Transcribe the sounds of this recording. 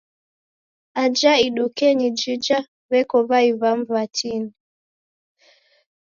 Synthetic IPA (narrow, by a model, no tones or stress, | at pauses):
ad͡ʒaiɗukɛɲid͡ʒid͡ʒa | βɛkɔβaiβamvatʰini